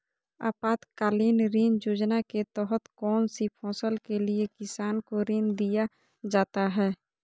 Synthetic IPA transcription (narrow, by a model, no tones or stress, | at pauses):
a̰ːpaːt̪kaːliːnɾiːnd͡ʒoːd͡ʒnaket̪ɔːɦət̪kɔːnsipʰɔ̃ːsəlkeliekɪsaːnkoɾiːnd̪ija | d͡ʒaːt̪aɦɛː